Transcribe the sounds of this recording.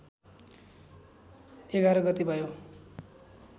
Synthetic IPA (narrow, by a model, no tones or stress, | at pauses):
eɡaɾʌɡʌt̪ibʱʌjo